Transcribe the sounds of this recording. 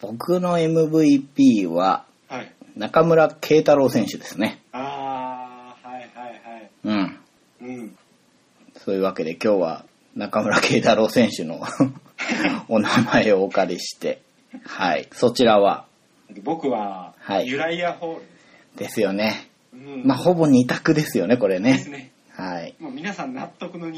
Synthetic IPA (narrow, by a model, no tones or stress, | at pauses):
b̥o̞kɯ̟no̞e̞mɯ̟bɯ̟ipʲiːβa | hainakamɯ̟ɾakʰe̞ːt̪aɾo̞ːsẽ̞ɰ̃ɕɨd̪e̞sɨne̞a | haihaiaiɯ̟̃ɴ | ɯ̃ | soːjɯ̟ːβake̞d̪e̞kʲo̞ːβa̰ | nakamɯ̟ɾakʰe̞ːt̪aɾo̞ːsẽ̞ɰ̃ɕɨno̞̰ | onamaeo̞ːkkaɾʲiɕi̥t̪e̞ | haḭso̞t͡ɕiɾaβa̰ | d̪ebokɯ̟βahaijɯɾaiaho | d̪̥e̞sɨjo̞nẽ̞ | maːho̞bo̞ɲ̟it̪akɯ̟d̪e̞sɨjo̞ne̞ko̞ɾe̞ne̞s | haimamʲinasãnnat̪ːokɯ̟no